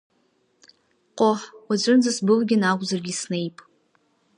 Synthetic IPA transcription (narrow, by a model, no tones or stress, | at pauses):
qʷʼoħwad͡ʒʷʼɨnzasbɨlɡʲɪnaɡʷzarɡʲisnejpʼ